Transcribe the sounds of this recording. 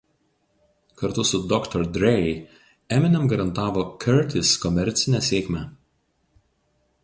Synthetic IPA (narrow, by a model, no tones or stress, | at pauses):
kɐɾt̪ʊsʊd̪ɔkt̪ɔɾd̪ʲɾʲɛ | ɛmʲɪnʲɛmɡɐɾɐnt̪ɑːʋoːkʲʰɛɾt̪ʲɪskɔmʲɛɾʲt̪sʲɪnʲæsʲeːkmʲæ